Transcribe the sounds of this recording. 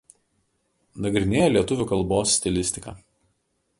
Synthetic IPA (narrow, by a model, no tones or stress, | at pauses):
nɐɡɾʲɪnʲeːjɛlʲiɛt̪ʊʋʲuːˑkɐlˠboːsːʲt̪ʲɪlʲɪsʲt̪ʲɪkɑ̰ː